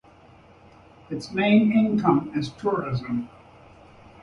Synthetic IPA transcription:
ɨtsmẽɪ̃nɪ̃nkʰʌ̃mɪz̥tʰʊɹɪzə̃m

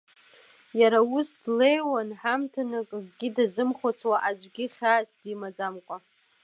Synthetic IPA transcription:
jaɾaʊsdlejwanħamtʰanakʼɡɡʲɪdazɨmχʷat͡sʰwaʔad͡ʒʷɡʲɪχʲaːsdimad͡zamkʷʼa

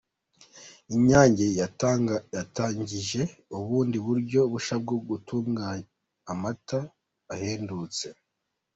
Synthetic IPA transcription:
iɲaːɲɟejajataːɲɟiʒe̞uβuːndiβuɾɟo̞βuʃab̚ɡoɡutumɡaː | mataː | heːndut͡se̞

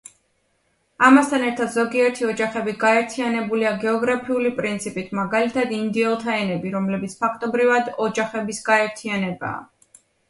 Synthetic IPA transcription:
amast̪ʰanɛɾt̪ʰad̪zɔɡiɛɾt̪ʰiɔd͡ʒaχɛbiɡaɛɾt̪ʰianɛbuliaɡɛɔɡɾapʰiulipʼɾint̪sʰipʼit̪ʰmaɡalit̪ʰad̪ind̪iɛlˠt̪ʰaɛnɛbiɾɔmlɛbit̪sʰpʰakʰt̪ʼɔbɾivad̪ɔd͡ʒaχɛbisɡaɛɾt̪ʰianɛba̰ː

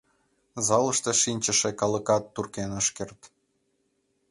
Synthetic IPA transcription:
zɑlə̆ʃt̪eʃinʲt͡ɕəʃĕkɑlə̆kɑt̪ːurkenəʃkert̪

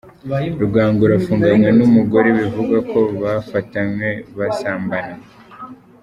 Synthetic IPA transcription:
ɾuɡaːŋɡuɾafuːŋɡamɲe̞numuɡo̞ɾe̞βivuɡakʰo̞βafatamɲe̞βasaːmbana

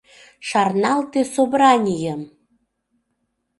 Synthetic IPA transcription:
ʃɑrnɑlt̪esoβrɑnʲijəm

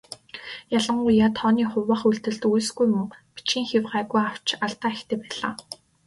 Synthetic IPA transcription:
jaɮə̆ɴŋɢʊjjat̪ʰɔːniːχʊwːə̆χuɮt̪ɘ̆ɮt̪ujsɡujmɵŋpi̥t͡ɕɡiːŋxewɢæːɣujaw̥t͡ɕaɮt̪aːxt̪ʰeːpæːɮa̰ː

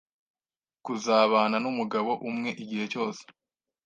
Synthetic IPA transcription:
kuzaːβaːnanumuɡaβo̞ʔumŋe̞ʔiɟihe̞co̞ːse̥

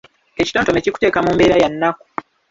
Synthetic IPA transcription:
e̞ci̥to̞ːnto̞meciku̥te̞ːkamuːmbe̞ːɾajanːaku̥

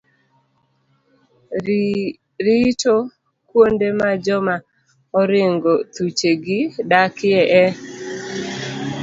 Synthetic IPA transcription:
ɾɪt͡ʃo | kwondemad͡ʒɔma | ɔɾɪŋɡot̪ut͡ʃeɡɪdakɪɛʔɛ

